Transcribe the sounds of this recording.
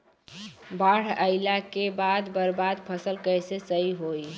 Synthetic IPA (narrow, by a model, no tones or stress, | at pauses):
baɽ̤əɪlakebad̪bəɾbad̪pʰəsəlkəjsesəiɦoj